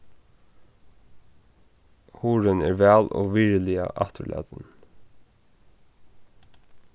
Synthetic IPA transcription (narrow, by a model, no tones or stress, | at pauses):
huːɹənæːɹʋæːlo̰ːʋɪɹlɪə̰ʔɑt̪əlʔɛ̰ːd̪ən